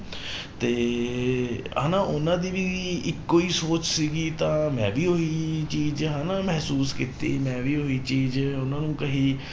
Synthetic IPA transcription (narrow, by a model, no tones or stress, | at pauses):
t̪eː | ɦa̰ːnaːʔʊnãːd̪iːʋiːɪkːoːiːsoːt͡ʃsiːɡiːt̪ãːmɛ̃ːʋiːɦoiːt͡ʃiːd͡ʒɦaːnaːmɛɦsuːskiːt̪ḭːmɛ̃ːʋiːɦoːiːt͡ʃiːd͡ʒʊnãːnũːkəɦiː